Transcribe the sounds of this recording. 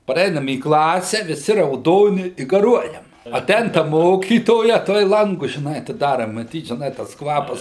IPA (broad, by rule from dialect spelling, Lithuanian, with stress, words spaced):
pɐˈrʲɛɪnɐm iː ˈklˠɑːsʲɛ ʋʲɪˈsʲɪ rɐʊˈdoːnʲɪ ɪ ɡɐˈruɔjɛm ɐˈtʲɛɪn tɐ ˈmoːkʲiːtoːjɛ ˈtuɔj ˈlˠɐŋɡʊs ʒʲɪˈnɐɪ ɐtʲɪˈdɑːrɐ mɐˈtʲiːt ʒʲɪˈnɐɪ tɐs ˈkʋɑːpɐs